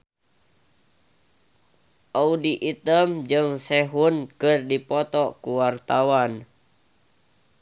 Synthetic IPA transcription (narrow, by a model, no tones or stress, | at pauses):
ʔaudiʔit̪əmd͡ʒɨŋsɛɦunkɨrdipɔt̪ɔkuwart̪awan